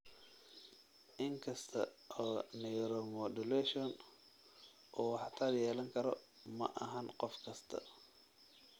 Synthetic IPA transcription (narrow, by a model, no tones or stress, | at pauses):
ʔɪŋkʰɐst̪ʰɐʔɔːnɛɾɔmɔd̪ʊlɛʃɔn | ʔɔːwɑħɑt̪ʰaːljɛːlɐŋkʰɐɾɔ | mɐ̰ʔɐɦɐnqɔfkʰɐst̪ʰɐ̰